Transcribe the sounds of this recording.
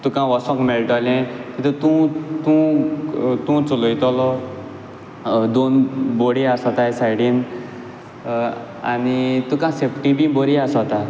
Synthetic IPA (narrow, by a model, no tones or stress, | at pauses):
t̪ũkãʋɔsɔ̃kmelʈɔlɛ̃kit̪ut̪ũt̪ũ | t̪ũt͡sulɔjt̪ɔlɔ | d̪onboɽiasɔt̪ajsajɽin | a̰nit̪ũkãsepʰʈibiboɾiasɔt̪a